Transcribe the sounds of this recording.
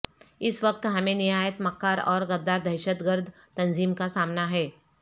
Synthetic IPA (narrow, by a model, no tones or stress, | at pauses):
ɪsʋɐk̚t̪ɦɐmẽnɪɦaːjət̪mɐkːaːɾɔ̰ːɾɡɐd̪ːaːɾd̪ʱɐɪʃət̪ɡəɾd̪ʱ | t̪ɐnziːmkasaːmnaɦɛː